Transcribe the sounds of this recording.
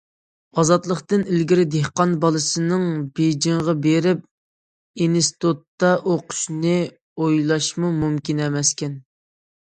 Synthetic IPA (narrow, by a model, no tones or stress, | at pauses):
ɑzɑt̪lˠəqt̪ɨnilɡʲiɾɪd̪ehqɑnbɑlˠɨsɨnɨŋbed͡ʒiŋʁɑbeɾɪp̚ | enɪst̪ot̪ːɑʔoqʰʊ̥ʃnɨ | ojlˠɑʃmumumkʲinɛmɛskʲɛn